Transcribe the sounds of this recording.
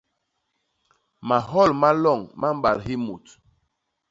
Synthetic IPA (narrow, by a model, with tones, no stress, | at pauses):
ma˨ɦɔ˦˨lma˦lɔ˦˨ŋma˦m˦ɓa̰˨ɾɦi˦mu˨t